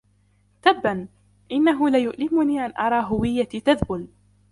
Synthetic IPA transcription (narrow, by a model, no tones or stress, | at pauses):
t̪abːan | ʔɪnːaɦʊlajʊʔlɪmʊniːʔanʔɑɾˤɑːɦʊwɪjːat̪it̪aðbʊl